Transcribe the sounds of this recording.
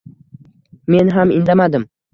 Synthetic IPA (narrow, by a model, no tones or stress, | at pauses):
me̞nɦamɪnd̪amad̪ɪm